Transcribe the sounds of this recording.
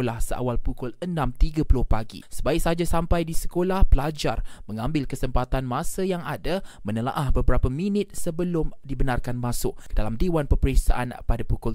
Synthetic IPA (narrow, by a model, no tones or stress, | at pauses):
olahsəa̰walpukʊlənãmt̪iɡapəlʊhpaɡḭsəbaɪk̚sad͡ʒasampajdisə̥kolahpəlad͡ʒarmə̃ŋãmbɪlkəsəmpat̪anmãsəjaŋadamə̃nəla̰ʔahbəbəɾapəmĩnɪt̪̚səbəlʊmdibənarkanmãsʊʔkədalamdewanpəpəɾiksa̰ʔanpadapukʊl